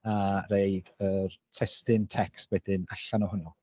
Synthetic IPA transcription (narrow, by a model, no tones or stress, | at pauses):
arejd̥ərtʰɛstɨntʰɛkstwɛdɪnaɬanɔhʊnɔ